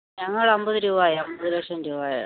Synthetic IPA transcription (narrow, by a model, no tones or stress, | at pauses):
ɲɐŋːɐɭɐmbɐðɨɾuːʋaːjaɐmbɐðɨlekʂɐmɾuːʋaːja̰